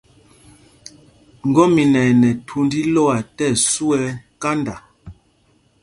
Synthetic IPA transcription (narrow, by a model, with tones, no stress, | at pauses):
ŋ̩˨ɡɔ˦mi˨nɛ˨nɛ˨tʰu˦ndi˦lo˦a˨tɛ˦˨su˦ɛ˦ka˦nda˨